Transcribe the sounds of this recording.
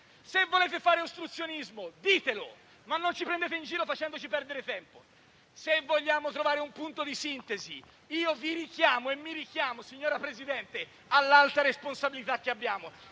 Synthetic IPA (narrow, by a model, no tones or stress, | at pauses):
sevːoleːt̪efaːɾeost̪ɾut̪sːjonizmod̪iːt̪elo̰ | manːont͡ʃipɾend̪eːt̪eind͡ʒiːɾofat͡ʃɛnd̪ot͡ʃipɛɾd̪eɾet̪ɛmpo | sevːoʎːaːmot̪ɾovaːɾeumpunt̪od̪isint̪ezḭ | iːoviɾikjaːmoemːiɾik̟jaːmosiɲːoːɾapɾezid̪ɛnt̪e | alːalt̪aɾesponsabilit̪ak̟ːeabːjaːmo